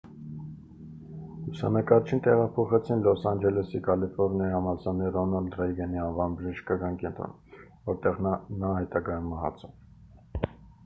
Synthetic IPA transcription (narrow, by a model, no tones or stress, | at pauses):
usɑ̰nɑkɑɾt͡ʃʰint̪ɛʁɑpʰɔχɛt͡sʰinlɔsɑnd͡ʒɛlɛsikɑlifɔɾnɛhɑmɑsɑnɛɾɔnɑld̪rɛjɡɛniɑnvɑnbəʒiʃkɑɡɑnkɛnt̪ɾɔ̰n | vɔɾt̪ɛʁnɑɦɛt̪ɑɡɑjumɛɦɑ̰t͡sʰɔ